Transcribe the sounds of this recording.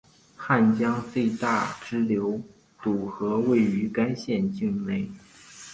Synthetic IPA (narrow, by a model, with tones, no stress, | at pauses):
xa˥˩nt͡ɕjɑ˥ŋt͡swe˥˧ɪt̪a˥˩ʈ͡ʂɻ̩˥ljo˧˥ʊ | t̪u˨˩xɤ˧˥we˥˩ɪy˧˥ka˥nɕjɛ˥˧nt͡ɕi˥˧ŋne˥˩ɪ